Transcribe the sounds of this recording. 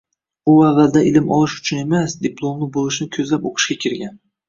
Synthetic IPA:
ʊavːald̪aʔɪlɪmɒlˠɪʃʊ̥t͡ʃʰʊne̞masd̪ɪplˠomnɪbolˠɪʃnɪkʲʰɵzlapoqʰɨ̥ʃkʲakʲʰɪɾɡʲan

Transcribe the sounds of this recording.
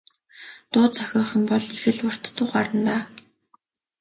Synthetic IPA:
t̪ʊːt͡sʰœxʲɔːχə̆mpɔɮexɘ̆ɮʊr̥t̪ːʊːχaɾə̆nt̪aː

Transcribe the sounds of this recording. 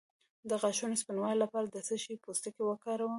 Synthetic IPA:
d̪əɣaʃunospinwɑjlapɑɾad̪əsəʃipost̪akewəkɑɾawə

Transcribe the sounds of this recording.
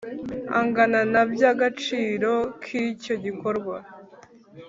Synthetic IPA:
a̰ŋɡananabjaɡat͡ʃiːɾo̞kʰico̞ɟiko̞ɾɡwa

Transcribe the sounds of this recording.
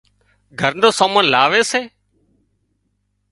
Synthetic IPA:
ɡʱəɾnoːsaːmənlaːʋeːseː

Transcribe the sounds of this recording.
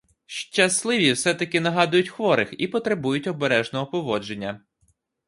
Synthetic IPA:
ʃt͡ʃɐslˠɪʋʲiwsɛt̪ɐkɪnɐɦɑd̪ʊjʊtʲxʋɔɾɪxipɔt̪ɾebujʊtʲɔbeɾɛʒnɔɦɔpɔʋɔd͡ʒe̞nʲːɐ

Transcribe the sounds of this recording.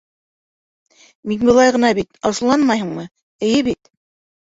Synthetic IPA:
minbɤ̆lˠɑjʁɤ̆nɑbit̪ɑsɤ̆lˠɑnmɑjhɤ̆ɴmɤ | ɘ̆jɘβit̪̚

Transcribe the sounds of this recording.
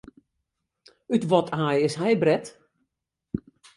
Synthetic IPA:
ytʋɔtʰaːjɪsɦɛjbrɛt

